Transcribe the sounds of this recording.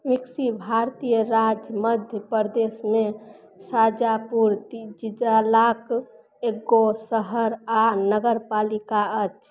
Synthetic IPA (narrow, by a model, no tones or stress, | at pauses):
miksibʱaɾt̪ijəɾad͡ʒməd̪ʱjəpəɾd̪esme | sad͡ʒapuɾt̪id͡ʒid͡ʒalak | eɡosəɦəɾanəɡəɾpalikaət͡ʃʰ